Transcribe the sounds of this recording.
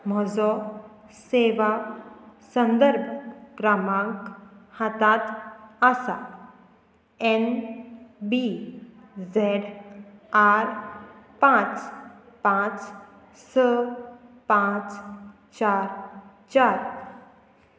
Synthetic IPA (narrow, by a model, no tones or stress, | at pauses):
m̤ɔd͡zɔ | seʋa | sə̃nd̪əɾb̚ɡɾamãŋkhat̪at̪asa̰ | en | bi | zɛɖ | aɾpãt͡s | pãt͡s | sə | pãt͡s | t͡ʃaɾ | t͡ɕaɾ